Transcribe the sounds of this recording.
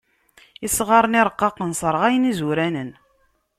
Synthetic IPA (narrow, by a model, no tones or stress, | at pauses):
isʁɑɾˤənɪɾˤəqːɑqːənsˤəɾˤʁæjənizuɾænən